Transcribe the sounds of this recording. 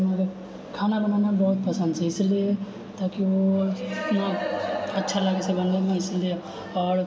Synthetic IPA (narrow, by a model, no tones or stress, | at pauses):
mãke | kʰaːnabɐnaːnabɔːt̪̚pɐsə̃nd̪seɪslie | t̪aːkiʋo | naɐtːʃʰalaːɡesebɐ̃nd̪amẽɪslie | ɔːɾ